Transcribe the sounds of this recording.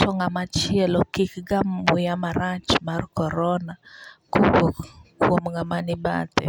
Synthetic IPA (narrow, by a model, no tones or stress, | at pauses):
tʰɔŋamat͡ʃɪɛlɔkikɡamwɪjamaɾat͡ʃmarkɔɾɔnakuwokkwomŋamanɪba̰tɛ̰